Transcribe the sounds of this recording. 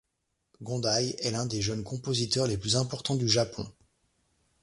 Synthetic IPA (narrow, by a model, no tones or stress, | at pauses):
ɡɔ̃d̪ajɛlɛ̃d̪eʒœnkɔ̃pozit̪œʁleplyzɛ̃pɔʁt̪ɑ̃d̪yʒapʰɔ̰̃